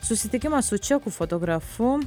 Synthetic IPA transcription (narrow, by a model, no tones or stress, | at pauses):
susit̪ikʲimasut͡ʃakufot̪oɡɾafu